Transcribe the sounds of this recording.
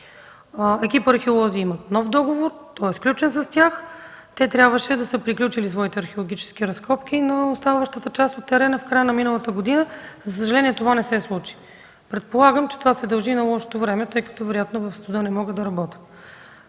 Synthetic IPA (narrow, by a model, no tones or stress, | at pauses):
ɛkipəɐɾxɛolˠɔziimɐt̪nɔfd̪ɔɡovoɾt̪ɔɛsklʲut͡ʃɛnsɐst̪ʲaxt̪ɛt̪ɾʲjabvəʃɛd̪ɐsɤpɾiklʲut͡ʃilisvɔit̪ɛɐɾxʲeolˠoɡʲit͡ʃɛ̥sk̟iɾɐskɔpkʲinɐost̪anvəʃt̪ət̪ət͡ʃast̪ot̪ːɛɾɛnəfkɾajənɐminəlˠət̪əɡod̪inəzɐs̬əʒɐlɛniɛt̪ovanɛsɛslˠut͡ʃi̥ | pɾɛt̪̚polˠaɡəmt͡ʃɛt̪ovasɛd̪ɐlˠʒinɐlˠɔʃo̥t̪ovɾɛmɛt̪ɤjkɐ̥t̪ɔvɛɾojat̪novɐfst̪ud̪ɤnɛmɔɡəd̪d̪ɐɾɐbɔt̪ə̥t̪